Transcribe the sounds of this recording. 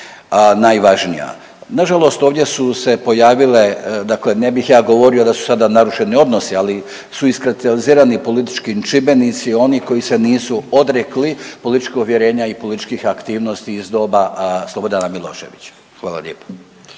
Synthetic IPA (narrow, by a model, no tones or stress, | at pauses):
najʋaʒnija̰ | naʒalˠo̞st̪o̞ːʋd̪ʲjesuse̞po̞jaːʋile̞d̪akle̞ne̞bixjaːɡo̞ʋo̞ɾio̞d̪asu̥sad̪anaɾuʃe̞nio̞d̪no̞siali | suiskɾapt̪aliziːɾanipo̞lit̪i̥t͡ʃkit͡ʃibe̞nit̪sio̞niko̞jise̞niːsuo̞d̪ɾeklipolit̪it͡ʃkeuʋjeɾe̞ːɲaipo̞lit̪it͡ʃkixakt̪iːʋnost̪iːzd̪o̞baslˠo̞bod̪anamilˠo̞̰ːʃe̞̰ʋit͡ɕḁ | xʋaːla̰ʎeːpo̥